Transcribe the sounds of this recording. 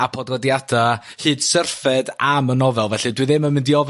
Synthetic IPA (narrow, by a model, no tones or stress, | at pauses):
apʰɔdɔdjada | hɨːd̥sərfɛdamənɔvɛlˠvɛɬɨdwɨðɪmənmɪndiɔv